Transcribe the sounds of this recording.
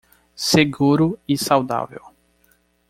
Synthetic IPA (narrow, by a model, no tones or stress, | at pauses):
seɡuɾʊisawd̪a̰vḛw